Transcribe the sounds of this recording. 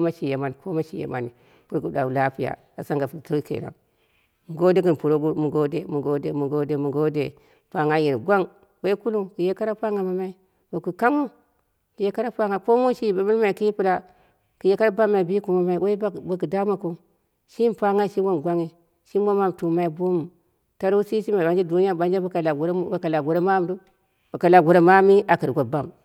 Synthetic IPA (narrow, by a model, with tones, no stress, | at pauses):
o˦ma˦ʃi˨je˨ma˨n˨ko˦ma˦ʃi˨jḛ˨ma̰˨ni˨ | ku˦ɾku˦da̰˨u˨la˦pi˦ja̰˨ | a˨sa˦ŋɡa˨fu˨o˦kḛ˨ɾa̰˨ŋ | mu˨ɡo˦de˦ki˨npu˨ɾo˦ɡu˦mu˨ɡo˦de˦mu˨ɡo˦de˨mu˨ɡo˦de˦mu˨ɡo˦de˨ | pa˨ŋa˦ji˨ɾɡʷa˦ŋ | we˦i˦ku˦lu˦ki˨je˦ka˦ɾa˦pa˦ŋa˨ma˨ma˦i˦ | we˨ku˨ka˦ŋu˦ | ki˨je˦ka˦ɾa˦pa˦ŋa˨ko˦mu˦ʃi˦˨ba˨bi˦lma˨i˨ki˦i˦pu˦la˦ | ki˨je˨ka˦ɾa˦ba˦mːa˨i˨bi˦ku˨ma˦ma˨i˨we˦i˦bba˨ki˨da˦ma˨ku˦ | ʃi˦mpa˦ŋa˦ʃi˦wo˦mɡʷa˦ŋi˨ | ʃi˦ma˦ma˦˨mtu˨ma˦i˦bo˦mu˨ | ta˦ɾu˦si˦ʃi˦ma˨ba˨˦nd͡ʒi˦du˨˦n˦ja˦˨ɓa˦nd͡ʒe˦ba˨ka˨la˨˦a˨ka˨la˨ɡu˨ɾa˦ma˦m˨˦du˦ | ba˨ka˨la˨ɡu˨ɾa˦ma˦mi˦ʔa˨ki˨ɾɡʷo˨ba˦m